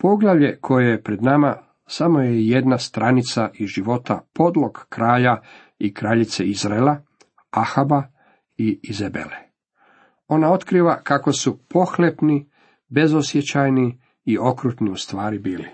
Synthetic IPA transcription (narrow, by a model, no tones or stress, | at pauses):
po̞ɡlaʋʎe̞kʰo̞jejepɾe̞d̪nama | samo̞jeje̞d̪nast̪ɾanit̪saʔiʒiʋo̞t̪apo̞d̪lˠo̞ɡːɾaːʎa | ikɾaːʎit̪seizɾaela | axaba | iːzebḛle | o̞nao̞t̪kɾiːʋakako̞supo̞xlepni | be̞zosjet͡ɕajniː | o̞kɾuːt̪niust̪ʋaːɾibiːlḭ